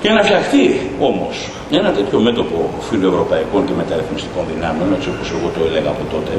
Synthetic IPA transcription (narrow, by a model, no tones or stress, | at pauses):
cenɐfçɐxt̪io̞mo̞s | ɲenɐt̪e̞t̪ço̞me̞t̪o̞po̞filo̞e̞vɾo̞pɐiko̞ŋce̞me̞t̪ɐɾiθmist̪i̥ko̞nðinɐmeo̞ne̞t͡ssio̞pose̞ɣo̞t̪o̞e̞le̞ɣɐːpo̞t̪o̞t̪e̞